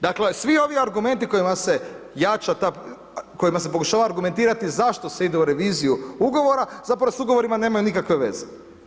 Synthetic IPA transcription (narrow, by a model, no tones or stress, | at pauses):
d̪akle̞sʋio̞ʋiaɾɡume̞nt̪iko̞jimase̞jat͡ʃat̪a | ko̞jimas̬e̞po̞kuʃaːʋaːɾɡume̞nt̪iːɾat̪izaʃt̪o̞seid̪euɾe̞ʋiːzijuuɡo̞ʋo̞ɾazapɾaʋosuɡo̞ʋo̞ɾimane̞ːmajunikakʋeʋe̞ze